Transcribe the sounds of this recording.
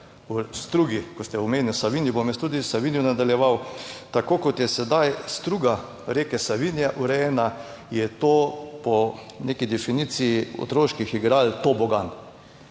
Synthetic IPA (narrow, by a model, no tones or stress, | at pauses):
ust̪ɾuɡikɔst̪ɛɔmeːnɪlsaʋinjibomjɛst̪ud̪isaʋinjunad̪aljɛʋawt̪akoːkɔt̪jɛsɛd̪ajst̪ɾuɡa | ɾeːkɛsaʋinjaʔuɾɛjɛːna | jɛt̪oːpɔ | nekid̪ɛfiniːt̪sijiɔ̰t̪ɾoːʃkixiɡɾalt̪obɔɡan